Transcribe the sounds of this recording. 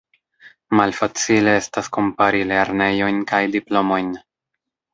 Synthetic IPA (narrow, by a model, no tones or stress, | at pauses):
malfat͡sile̞e̞stasko̞mpaɾile̞ɾne̞jo̞jnkajdiplo̞mo̞jn